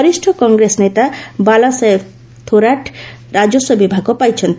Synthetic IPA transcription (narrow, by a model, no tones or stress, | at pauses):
ɔɾisʈʰɔkɔŋɡɾesnet̪abalase | t̪ʰoɾaʈ | ɾad͡ʒɔsɔbibʱaɡɔpajt͡ʃʰɔnt̪